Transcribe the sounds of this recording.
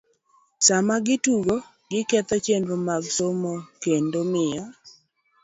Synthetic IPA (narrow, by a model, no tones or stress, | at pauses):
samaɡɪtuɡo | ɡɪket̪ɔt͡ʃendomaɡsomɔkendomɪjɔ